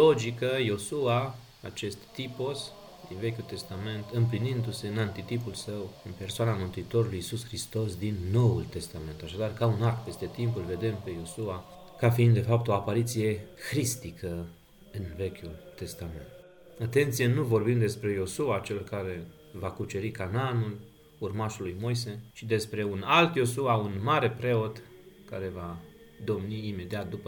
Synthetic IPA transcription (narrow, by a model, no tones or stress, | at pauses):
o̞d͡ʒikəjo̞sua | at͡ʃe̞st̪ːipo̞s | d̪inve̞kʲult̪e̞st̪ame̞nt̪ɨmplinind̪use̞ɨnant̪it̪ipulsəwɨnpe̞rsoanamɨnt̪uit̪o̞ɾulujisusxɾist̪o̞sd̪inːo̞wult̪e̞st̪ame̞nt̪aʃad̪arkaunark̚pe̞st̪e̞t̪impulve̞d̪e̞mpe̞jo̞sua | kafiind̪d̪e̞fap̚t̪o̞apaɾit̪sije̞xɾist̪ikʰə | ɨnve̞kʲjult̪e̞st̪ame̞̰nt̪ | at̪e̞nt̪sijenuvo̞rbimd̪e̞spɾe̞jo̞suat͡ʃelkaɾe̞ | vakut͡ʃe̞ɾikananul | urmaʃulːujmo̞js̬e̞t͡ʃid̪e̞spɾe̞unalt̪jo̞suaunmaɾe̞pɾe̞o̞t̪kaɾe̞va | d̪o̞mniːme̞d̪iat̪̚d̪upə